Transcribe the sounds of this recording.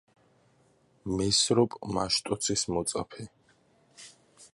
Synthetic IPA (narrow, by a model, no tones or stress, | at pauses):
mɛsɾɔpʼmaʃt̪ʼɔt̪sʰismɔt̪sʼapʰɛ